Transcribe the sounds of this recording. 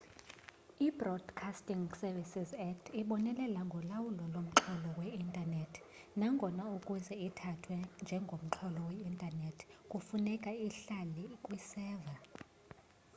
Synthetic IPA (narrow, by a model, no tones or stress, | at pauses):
ibrɔd̥kʰastʼiŋsɛvisizɛtʰiɓɔnɛlɛlaŋɡʱɔlawulɔlom̩ǁʰɔlɔwɛintʼanetʰ | naŋɡʱɔnaukʼuzɛitʰatʰwɛnd͡ʒʱɛŋɡʱom̩ǁʰɔlɔwɛintʼanetʰkʼufunɛkʼaiɬalikʼwisɛːva